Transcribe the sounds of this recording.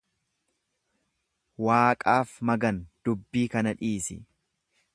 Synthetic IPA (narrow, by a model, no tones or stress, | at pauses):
waːkʼaːfmɐɡɐnd̪̥ʊbːiːkɐnɐᶑiːsɪ̰